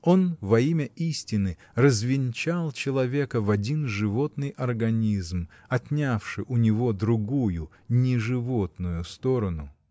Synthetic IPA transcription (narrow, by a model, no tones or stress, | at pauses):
o̞nvɐimʲəisʲtʲɪnɨ | rəzvʲɪnʲt͡ɕalˠt͡ɕɪlˠɐvʲe̞kəvɐdʲinʐɨvo̞t̪nɨjʔɐrɡɐnʲizm | ɐt̪ʲnʲafʂɨʔʊnʲɪvo̞d̪ɾʊɡujʊ | nʲɪʐɨvo̞t̪nʊjʊst̪o̞ɾənʊ